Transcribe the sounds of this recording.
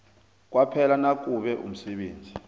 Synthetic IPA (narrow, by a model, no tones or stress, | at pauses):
k̬ʼwapʰɛlanak̬ʼuɓɛʔṵm̩sɛɓeːnd͡zʱi